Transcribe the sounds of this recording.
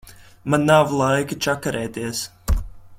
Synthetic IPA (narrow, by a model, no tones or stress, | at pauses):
manːavlˠajkɨt͡ʃakaɾʔɛːt̪iɛs